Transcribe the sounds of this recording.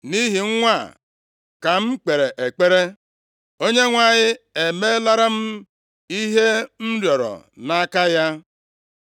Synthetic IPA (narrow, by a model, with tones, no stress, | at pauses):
ni˦ɦi˨ŋ̩˦ŋʷa˦˨ | ka˨m̩˦k͡pe˨ɾe˨ʔe˨k͡pe˦ɾe˦ | o˦ɲe˦ŋʷa˨ɲɪ˦e˨me˦la˦ɾa˦m̩˦ | i˦ɦe˦m̩˦ɾjɔ˨ɾɔ̰˨na˦ka˦ja˦